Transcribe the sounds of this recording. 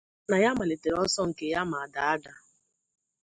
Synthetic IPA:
na˨ja˦ma˨le˨te˨ɾɔ˦sɔ˦ŋ̩˨ke˨ja˦ma˨a˨da˨a˦da˨

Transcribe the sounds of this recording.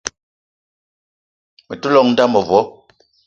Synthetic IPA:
mɛ˨tu˦lɔ˦˨ŋ̚n̩˦da˦mɔ˨vwɔ˨˦

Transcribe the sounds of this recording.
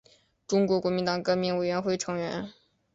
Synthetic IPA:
ʈ͡ʂʊ˥ŋkwɔ˧˥kwɔ˧˥mi˧˥nt̪ɑ˨˩ŋkɤ˥˩mi˧˥ŋwe˨˩ɪɥɛ˧˥nxwe˥˩ɪʈ͡ʂʰɤ˧˥ŋɥɛ̰˧˥n

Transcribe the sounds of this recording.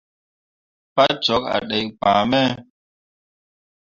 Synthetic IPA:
pa˦t͡ʃɔ˨˦k̚a̰˨ɗɛ˨jpa˨mɛ˦

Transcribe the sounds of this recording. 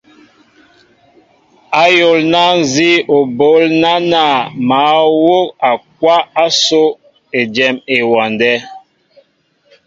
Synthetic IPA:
a˦jo˨lna˦n˦˨zi˦o˨bo˨˦lna˦na˨ma˨˦wo˦ka˨k̚wa˦a˦so˦ | e˨d͡ʒɛ˨me˨wɔ˨ndɛ˦

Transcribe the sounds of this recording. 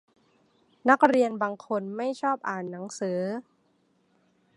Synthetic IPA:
na˦˥k̚ɾi˧ənbaː˧ŋkʰo˧nma˥˩jt͡ɕʰɔː˥˩p̚ʔaː˨˩nːa˩˦ŋsɯː˩˦

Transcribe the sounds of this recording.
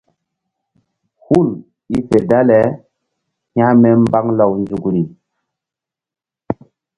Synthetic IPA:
hu˦˨l | i˦fe˨da˦lɛ˨ | hjã˦mɛ˦mba˦ŋla˨wnd͡ʒu˨kɾi˨

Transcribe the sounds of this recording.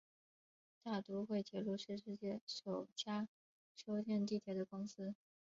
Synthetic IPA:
t̪a˥˩t̪u˧˥xwe˥˩ɪt͡ɕjɛ˥˩lu˥˧ʂɻ̩˥˧ʂɻ̩˥˧t͡ɕjɛ˥˩ʂo˨˩ʊt͡ɕja˥ | ʂo˥ʊt͡ɕjɛ˥˧nt̪̬i˥˩t̪ʰjɛ˧˥d̪ə˧kʊ˥ŋs̩˥

